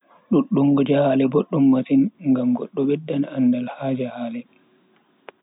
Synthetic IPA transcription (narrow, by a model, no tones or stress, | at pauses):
ɗuɗːuŋɡɔd͡ʒahaːlɛboɗːumːasinŋɡamɡɔɗːɔɓɛdːanandalhaːd͡ʒahaːlɛ